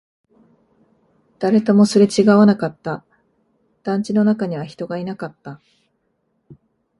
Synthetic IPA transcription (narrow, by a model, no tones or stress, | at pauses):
d̪̥aɾe̞t̪omo̞soɾe̞t͡ɕiɡaβanakat̪ːa | d̪̥ãɲ̟t͡ɕino̞nakaɲ̟iβaçi̥t̪o̞ɡainakat̪ːa